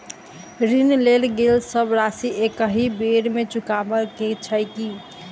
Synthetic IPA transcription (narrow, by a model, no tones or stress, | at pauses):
ɾinlelɡelsəbɾasiʔekəɦibeɾmet͡ʃukabəlket͡ʃʰəjki